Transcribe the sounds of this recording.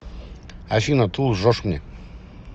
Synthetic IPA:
aʃinat̪ʰulˠʐɔʂmnʲɛ

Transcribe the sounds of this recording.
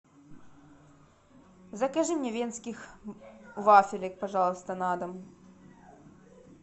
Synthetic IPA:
zɐkɐʐɨmnʲɛvʲensʲkʲix | vafʲɪlʲɛk̚pɐʐɑlˠst̪ɐnad̪ɐm

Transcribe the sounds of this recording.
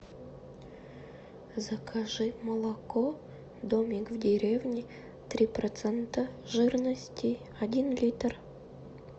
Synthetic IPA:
zɐkʰaʐɨmɐlˠɐko | d̪omʲikvdʲeɾʲevnʲɪ | t̪ɾʲiprɐt̪sɛnt̪əʒɨrnəsʲtʲi | ɐdʲinlʲit̪r

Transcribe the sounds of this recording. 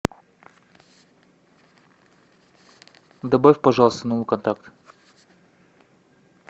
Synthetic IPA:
d̪ɐbafʲpɐʐɑlˠəst̪ənovˠɨkɐnt̪ɾakt̪

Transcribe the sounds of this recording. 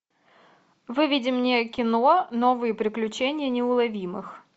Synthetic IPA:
vɨvʲɪdʲɪmnʲekʲɪnonovɨjəpɾʲɪklʲʉt͡ɕenʲɪjənʲɪʊlˠɐvʲimɨx

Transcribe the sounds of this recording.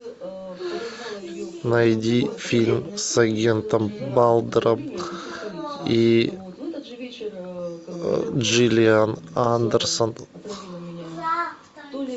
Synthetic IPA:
najd̪ifilʲmsaɡʲent̪ənbɑlˠd̪əɾəp̚ | i | ʒilʲianand̪əɾsən

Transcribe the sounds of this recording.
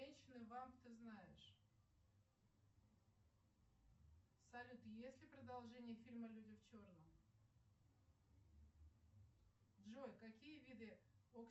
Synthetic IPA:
ɛnʲɕɪnɨvamt̪ɨznajɪʂ | sɐlʲut̪jesʲlʲɪpɾəd̪ɐlˠʐɛnʲɪjəfʲilʲməlʲudʲɪft͡ɕo̞rnəm | ʐojkɐkʲijəvʲid̪ɨok

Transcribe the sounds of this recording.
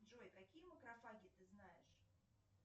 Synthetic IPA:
ʐojkɐkʲijəməkɾɐfaɡʲɪt̪ɨznajɪʂ

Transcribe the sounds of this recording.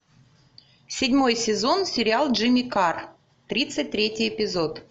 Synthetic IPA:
sʲɪdʲmo̞jsʲɪzo̞nsʲɪɾʲɪalˠʐɨmʲɪkar | t̪ɾʲit̪sɨt̚ʲt̪ɾʲetʲɪjɪpʲɪzo̞t̪

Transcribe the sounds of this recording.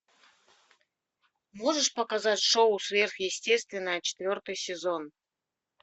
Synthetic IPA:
moʐɨʂpəkazatʲʂoʊsvʲerxjɪsʲtʲest̪vʲɪnːəjət͡ɕɪ̥t̪vʲo̞rt̪ɨjsʲɪzon

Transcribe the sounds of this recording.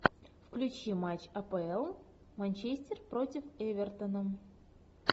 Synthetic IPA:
fklʲʉt͡ɕimat͡ɕɐpəɛlˠ | manʲt͡ɕesʲtʲɪrpɾotʲɪfɛvʲɪrt̪ənə

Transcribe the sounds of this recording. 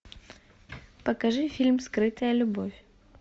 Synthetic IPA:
pəkɐʐɨfʲilʲmskɾɨt̪əjəlʲʊbofʲ

